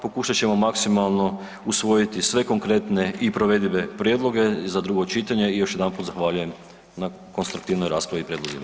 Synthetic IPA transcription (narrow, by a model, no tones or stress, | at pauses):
po̞kuʃat͡ɕe̞mo̞maksimalˠno̞ | usʋo̞jit̪isʋe̞ko̞ŋkɾe̞t̪ne̞ipɾoʋe̞d̪ʲiʋe̞pɾjed̪lˠo̞ɡe̞zad̪ɾuːɡo̞t͡ʃit̪aɲe̞ijo̞ʃjed̪anpuːt̪zaxʋaːʎuje̞m | na | ko̞nst̪ɾukt̪iʋnojɾaːspɾaʋipɾjed̪lozḭma